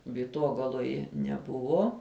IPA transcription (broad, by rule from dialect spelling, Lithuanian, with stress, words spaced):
ʋʲiːˈtoːɡɐlˠoːjɛ nʲɛˈbʊʋoː